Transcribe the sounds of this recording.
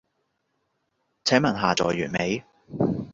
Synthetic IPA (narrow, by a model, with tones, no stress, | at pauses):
t͡sʰɛː˨˥ŋmɐ˨˩nɦaː˨˩t͡sɔ̰ː˨˩jːy̰ː˨˩nme˨˥j